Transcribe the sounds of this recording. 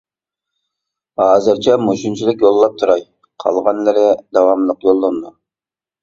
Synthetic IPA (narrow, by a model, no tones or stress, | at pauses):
ɑːzɨɾt͡ʃʰɛmoʃunt͡ʃʰilˠɨkʲjolˠːɑp̚t̪ʰuɾɑj | qʰɑ̰lˠʁɑnlɨɾɪd̪ɑwɑmlˠəqjolˠːond̪u